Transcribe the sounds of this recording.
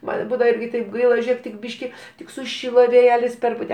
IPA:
ˈmɐn ˈbuːdɐʋɐ ˈɪrʲɡʲɪ tɐɪp ˈɡɐɪlˠɐ ˈʒʲeːk tʲɪk ˈbʲiːʃʲkʲɪ ˈtʲɪk sʊˈʃʲɪlˠoː ʋʲeːˈjæːlʲɪs ˈpʲɛrpʊtʲɛ

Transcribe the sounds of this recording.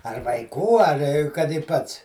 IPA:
ɐr ʋɐɪˈkuː ɐr kɐt ɪ ˈpɐts

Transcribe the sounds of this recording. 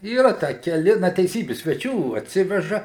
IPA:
iːˈrɐ ˈtʲæː kʲɛˈlʲɪ ˈnɐ tʲɛɪˈsʲiːbʲɪ sʲʋʲɛˈt͡ʃʲuː ɐtʲˈsʲɪʋʲɛʒɐ

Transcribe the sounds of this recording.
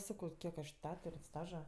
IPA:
ˈsɑːkɐʊ ˈkʲiɛk ɐʃ ˈtʲæːtʊrʲ ˈstɑːʒɐ

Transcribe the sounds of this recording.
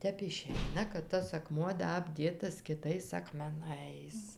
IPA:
ˈtʲɛp ɪˈʃʲɛɪnɐ kɐt ˈtɐs ɐˈkmuɔ ˈdɐ ɐbʲˈdʲeːtɐs kʲɪˈtɐɪs ɐkmʲɛˈnɐɪs

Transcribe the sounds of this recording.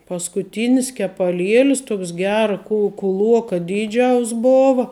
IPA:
pɐskʊˈtʲiːnʲɪs kʲɛpɐˈlʲiɛlʲɪs ˈtuɔks ˈɡʲæːrɐ kʊ kʊˈlˠuɔkɐ ˈdʲiːˌd͡ʒʲɛʊs ˈboːʋɐ

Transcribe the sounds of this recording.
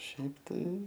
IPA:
ˈʃʲɛɪp tɐɪ

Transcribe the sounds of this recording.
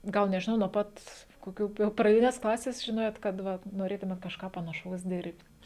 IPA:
ˈɡɐlˠ nʲɛʒʲɪˈnɐʊ nuɔ ˈpɐt koːˈkʲuː jɛʊ prɐˈdʲɪnʲɛs ˈklˠɑːsʲɛs ʒʲɪˈnoːjoːt kɐt ˈʋɐ noːˈrʲeːtʊmʲeːt kɐʃˈkɑː pɐnɐˈʃɐʊs ˈdʲɪrʲpʲtʲ

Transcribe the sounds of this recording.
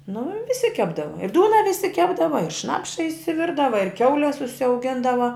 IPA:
nʊ ʋʲɪˈsʲɪ ˈkʲæːbdɐʋɐ ɪ ˈduːnɐ ʋʲɪˈsʲɪ ˈkʲæːbdɐʋɐ ɪr ˈʃnɑːpʃɐ ɪʃʲsʲɪˈʋʲɪrdɐʋɐ ɪr ˈkʲɛʊlʲɛs ʊʃʲsʲɛʊˈɡʲɪndɐʋɐ

